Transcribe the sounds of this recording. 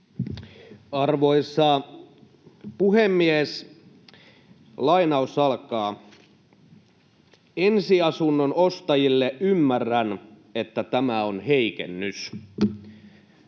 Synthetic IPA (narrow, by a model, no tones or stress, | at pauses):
ɑrʋo̞isːɑ | puhemːies | lɑinɑusɑlkɑː | ensiɑsunːonost̪ɑjilːeʔymːærːæn | e̞t̪ːæt̪æmæonheikḛnːys